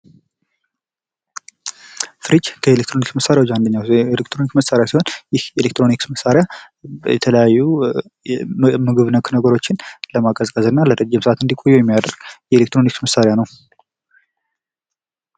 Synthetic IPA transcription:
fɨɾid͡ʒkʰəelek̚t̪ɾo̞niksməsaɾejawot͡ʃːand̪əɲːawlekt̪ɾo̞nikməsːaɾejasiho̞njɪhjɛlekt̪ɾo̞niksməsːaɾja | jɛ̰t̪ʰələjajːu | mɨɡɨβnəkʰnəɡəɾo̞t͡ʃːɪnləmakʼəzkʼəzɨnːalədəd͡ʒːɛmsɨat̪ɨnd̪ikʼo̞jːujɛmːijad̪əɾɡjɛelekt̪ɾo̞niksməsaɾjanəw

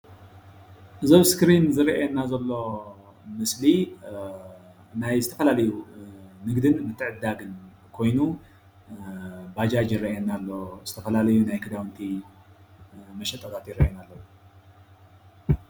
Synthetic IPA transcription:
ʔɨzoβskɨɾinzɨɾiʔɛnːazɐlːo̞ | mɨsli | najzɨt̪ʰɐfɐlalɐjunɨɡd̪ɨnmɨt̪ʰːɨʕɨd̪ːaɡɨn | kʰo̞jnu | bad͡ʒad͡ʒiɾiʔɛnːalːo̞zɨt̪ʰɐfɐlalɐjunajkʰɨd̪awɨnt̪ʰi | mɐʃɛt̪ʼɐt̪ʰʼat̪jiɾiʔɛnalːɐwu

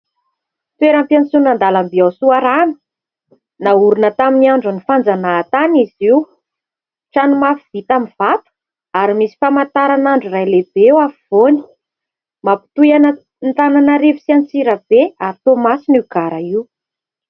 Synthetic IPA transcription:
t̪ueɾampjant͡sunand̪alambiawsuaɾanə̥ | nauɾunət̪aminiaɳɖ͡ʐunifand͡zanaːt̪aniziw | ʈ͡ʂanumafiv̥it̪amiv̥at̪u̥ | aɾimisi̥famant̪aɾanaɳɖ͡ʐurajleb̥ewafiv̥oni̥ | mapi̥t̪ujanə | nt̪ananaɾevi̥siant͡siɾab̥eaɾt̪omasiniɡ̥aɾaiw

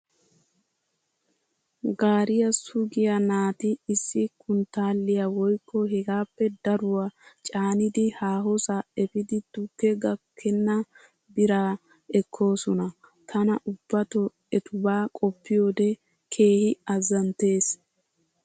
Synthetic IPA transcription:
ɡaːɾɪjɐsʊɡɪjɐnaːt̪ɪːsːɪkʊnt̪aːlːɪjawɔjkʰːɔɦɛɡaːpːɛd̪ɐɾʊwat͡ʃʼaːnɪd̪ɪhaːɦɔsaɛfɪd̪ɪt̪ʊkːɛɡɐkʰːɛnːɐ | bɪɾaː | ɛkʰːo̞ːsɔnɐ | t̪ʰɐnɐʔʊbːɐt̪ɔ | ɛt̪ʊbaːkʼɔpːɪjo̞ːd̪ɛ | kʰe̞ːhɪɐzɐnt̪e̞ːs

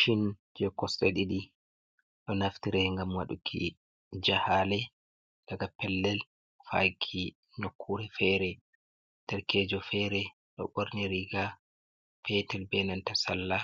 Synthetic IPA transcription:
ʃind͡ʒɛkɔsɗɛɗiɗi | ɗɔnaftiɾɛŋɡamwaɗṵkʰḭ | d͡ʒahalɛ | daɡapɛlːɛl | fa̰jkʰi | nokʰːuɾɛfɛɾɛ | tɛɾkɛd͡ʒɔfɛɾɛ | ɗɔ̰ɓoɾniɾiɡa | fɛtɛlbɛnantasalːa

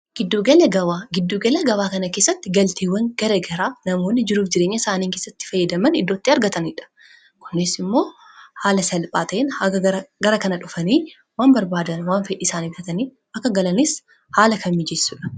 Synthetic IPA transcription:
ɡ̥ɪd̪ːoːɡɐlɐɡɐwaɡɪd̪ːoːɡɐlɐɡɐwaːkɐnɐke̞ːsːɐt̪ːɪɡɐlt̪eːwːɐŋɡ̥ɐɾeːɡɐɾaːnɐmo̞ːnːɪd͡ʒɪɾuːfd͡ʒɪɾeːɲːɐsaːniːŋkeːsːɐt̪ːɪ̥fɐjːɐd̪ɐmɐnɪd̪ːo̞ːt̪ːɪɐɾɡɐt̪ɐnɪᶑɐ̥ | kʊ̥nːɪsɪmːo̞ː | haːlɐsɐlpʼaːt̪ɐʔɛnɐɐɐɡɐɾɐkɐnɐᶑʊfɐniː | waːmbɐɾbaːd̪ɐnwaːnfɛᶑiːsaːniːft̪ɐt̪ɐniː | ʔɐkːɐɡɐlɐnɪs | haːlɐkʰɐmːid͡ʒɛsːuːᶑɐ̥

